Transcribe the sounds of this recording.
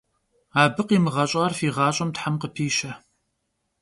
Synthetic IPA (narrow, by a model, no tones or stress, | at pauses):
aːbɨqiːmɨʁɐɕʼɑːrfiːʁɑːɕʼɐmtħamqəpʰiːɕɐ